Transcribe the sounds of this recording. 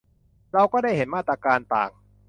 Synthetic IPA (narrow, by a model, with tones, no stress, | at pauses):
ɾa˧wkɔː˥˩da˥˩jɦe˩˦nmaː˥˩t̪ɾaː˧kaː˧nt̪a̰ː˨˩ŋ